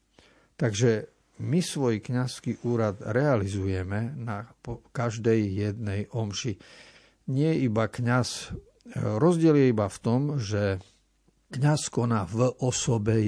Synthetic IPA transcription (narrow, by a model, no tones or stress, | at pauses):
t̪aɡʒɛ | misʋɔjkɲaskiʔuːɾad̪ɾɛalizujɛmɛnapɔkaʒd̪ɛjːɛd̪nɛjɔmʃi | ɲɪɛjɛibakɲas | ɾɔzɟɪɛljɛibaft̪ɔmʒɛ | kɲaskɔnaːvʔɔsɔbɛ